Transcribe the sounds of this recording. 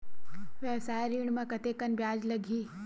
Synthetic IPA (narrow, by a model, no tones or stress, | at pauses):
ʋeʋsaːjɾiːɳ̃mãkɐt̪ekənbjaːd͡ʒlɐɡʱiː